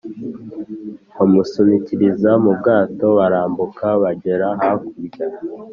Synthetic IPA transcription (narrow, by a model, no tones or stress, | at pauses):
wamusuniciɾizamubɡaːto̞βaɾaːmbukʰaβaɟe̞ɾaɦakuɾɟa